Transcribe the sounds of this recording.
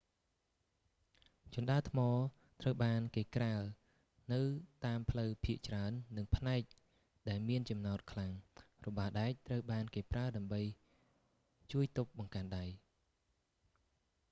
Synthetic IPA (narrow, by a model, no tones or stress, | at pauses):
t͡ɕuənɗaət̪ʰmɑː | t̪rəwɓaːnkeːkraə | nɨwt̪aːmpʰləwpʰiəʔt͡ɕraənːɨŋpʰnaɛk̚ | ɗaɛlmiənt͡ɕɑmnaɔt̪̚kʰlaŋrɔɓaːɗaɛc̚t̪rəwɓaːnkeːpraəɗaəmɓəj | t͡ɕuəjt̪uk̚ɓɑŋkaːnɗaj